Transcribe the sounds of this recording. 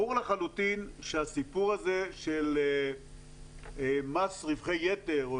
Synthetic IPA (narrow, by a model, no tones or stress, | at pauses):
uʁleχalut̪inʃeasipuʁaze̞ʃele | masʁivχejːet̪e̞ʁ